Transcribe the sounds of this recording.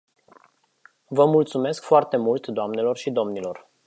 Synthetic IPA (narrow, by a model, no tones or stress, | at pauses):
vəmult̪sume̞skfoart̪e̞mult̪d̪oamne̞lo̞rʃid̪o̞mnilo̞r